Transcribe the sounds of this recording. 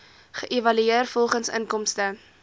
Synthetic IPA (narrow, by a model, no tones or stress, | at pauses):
χəʔevɐlyeərfɔlˠχənsə̰nkɔmstə